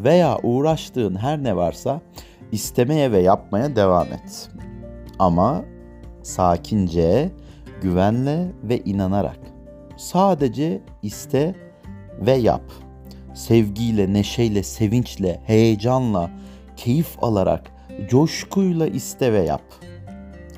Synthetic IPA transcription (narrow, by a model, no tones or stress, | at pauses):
ve̞jaːʔuːɾaʃt̪ɯːnɦæɾnɛvaɾsa | ist̪ʰemejɛvɛjap̚majad̪evaːmɛ̰t̪ | ama | saːcʰind͡ʒɛɛ | ɟyvænlʲɛvɛʔinanaɾa̰k | saːd̪ed͡ʒɛ | ist̪ʰɛ | vɛja̰p | sɛvɟijlʲɛneʃejlʲɛse̞vint͡ʃlʲɛhejed͡ʒanlˠa | cʰe̞jifo̰lˠaɾa̰k | d͡ʒoʃkʰujlˠaʔist̪ʰɛvɛja̰p